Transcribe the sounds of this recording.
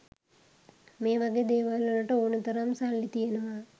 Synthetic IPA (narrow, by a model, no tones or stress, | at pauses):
meːʋɐɡed̪eːʋaːlolɐʈɐonut̪ɐɾaːmsalːit̪ijenɐʋa